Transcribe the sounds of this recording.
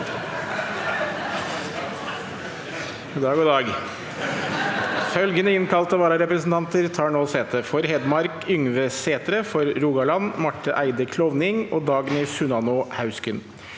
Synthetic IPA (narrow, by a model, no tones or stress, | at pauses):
d̪ɑːɡɔd̪ɑːɡ | fœlɡənəɪnkʰɑlt̪əʋɑːɾɑɾɛpɾəsn̩t̪ʰɑnt̪əɾt̪ʰɑːɳoːseːt̪ʰəfɔɾɦɛd̪mɑɾkʏŋʋəseːt̪ɾəfɔɾɾuːɡɑlɑnmɑʈːəʔæɪd̪əkʰlɔʋnɪŋoːd̪ɑːɡnɛːsʉnɑnʊhɑʉskʏn